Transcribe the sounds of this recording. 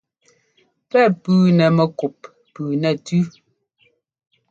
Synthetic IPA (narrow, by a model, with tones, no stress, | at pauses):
pɛ˦˨pʉː˨˦nɛ˨mɛ˨ku˨pː | ʉː˨nɛ˨tʉ˦